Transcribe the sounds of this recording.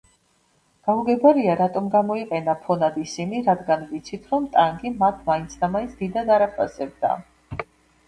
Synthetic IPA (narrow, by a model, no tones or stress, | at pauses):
ɡ̥auɡɛbaɾiaɾat̪ʼɔmɡamɔiqʼɛnapʰɔnad̪isimiɾad̪ɡanvit̪sʰit̪ʰɾɔmt̪ʼaŋɡimat̪ʰmaint̪sʰd̪amainsʰd̪id̪ad̪aɾapʰasɛb̚d̪a̰